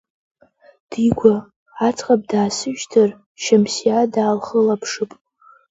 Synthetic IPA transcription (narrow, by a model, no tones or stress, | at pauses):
d̥iɡʷa | at͡sʼqʼap̚daːsɨʒtʰar | ʃamsiadaːlχəlapʰʂɨpʼ